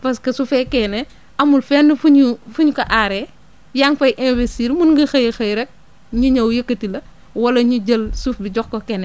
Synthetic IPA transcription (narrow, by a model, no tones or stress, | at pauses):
pɐskɐsufɛkɛnɛ | ɐmulfɛːnːəfuɲufuɲkɐʔaɾɛ | jaŋfɐjʔɛ̃nvestiːɾmunŋɡɐxɐjxɐjɾɛk̚ | ɲuɲɐwjɐkːɐtilɐ | wɐlɐɲuɟɐlsufbiɟɔkːɔkɛnɛ